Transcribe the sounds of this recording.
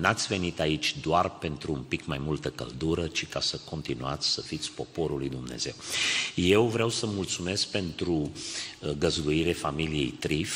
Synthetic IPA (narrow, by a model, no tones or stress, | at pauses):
nat̪sʲve̞nit̪ait͡ʃʲd̪oarpe̞nt̪ɾuːmpikmajmult̪əkə̰ld̪uɾət͡ʃikasəko̞nt̪inuat̪sʲsəfit̪sʲpo̞po̞ɾulujd̪umne̞̰z̥e̞̰wje̞wvɾeawsəmult̪sume̞sk̚pe̞nt̪ɾu | ɡəzd̪uiɾefamilije̞̰jt̪ɾif